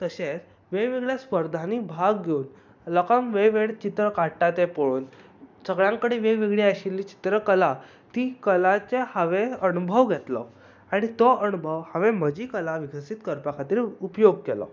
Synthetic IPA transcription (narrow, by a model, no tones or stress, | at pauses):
t̪əɕet͡s | ʋeʋeɡɭjaspəɾd̪ʱanibʱaɡɡʱeuːn | lɔkəmʋeʋeɽt͡ɕit̪ɾəkaɽʈat̪epoɭuːnsəɡɭãŋkəɽeʋeʋiɡɭiaɕilːiːt͡ɕi̥t̪ɾəkəla | t̪iːkəlat͡sehaʋeənubʱəʋɡʱɛt̪lɔ̰ | aɽ̃it̪ɔənubʱəʋhaʋem̤əd͡ʑikəlaʋiɡəsit̪kəɾpakʰat̪iːɾupjoɡ̚kɛlɔ̰